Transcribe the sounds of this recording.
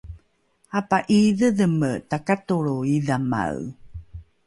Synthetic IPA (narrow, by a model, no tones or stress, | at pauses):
apaʔiðəðəmətakatoɭoiðama̰w